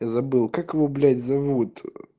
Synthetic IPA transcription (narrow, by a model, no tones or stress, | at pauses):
jazɐbɨlˠkakvɔblʲad͡zʲzavut̪